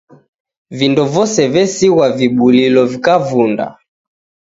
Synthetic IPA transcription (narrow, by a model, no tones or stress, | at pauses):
vindɔvɔsɛvɛsiɣwaviɓulilɔvikavunda̰